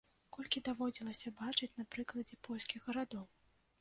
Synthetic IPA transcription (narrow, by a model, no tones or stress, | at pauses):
kɔlʲkʲid̪avɔd͡zʲilˠɐsʲɐbat͡ʂɨt͡sʲnapɾɨklˠɐd͡zʲɛpʰɔlʲskʲiɣɣɐɾad̪ɔw